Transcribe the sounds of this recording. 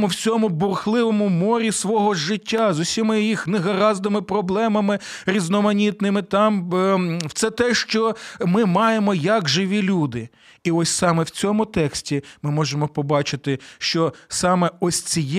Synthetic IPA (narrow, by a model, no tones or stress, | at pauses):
mʊwt͡sʲɔmʊbʊrxlˠɪʋɔmʊmɔɾʲisʋɔɦɔʒːɪtʲːazʊsʲimɪjixneɦɐɾɑzd̪ɪmɪpɾɔblˠɛmɐmɪ | ɾʲiznɔmɐnʲit̪nɪmɪt̪ɑm | wt̪sɛt̪ɛʃt͡ʃɔmɪmɑjemɔjɐkʒɪʋʲilʲud̪ɪ | iɔsʲsɑmɛwt͡sʲɔmʊt̪ɛksʲtʲimɪmɔʒemɔpɔbɑt͡ʃɪt̪ɪʃt͡ʃɔsɑmɛɔsʲt͡sʲij